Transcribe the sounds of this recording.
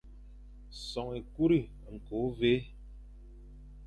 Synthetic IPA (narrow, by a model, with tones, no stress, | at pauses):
sɔ˨ŋe˨ku˦ɾi˦˨ŋ̩˨ko˨˦ve˦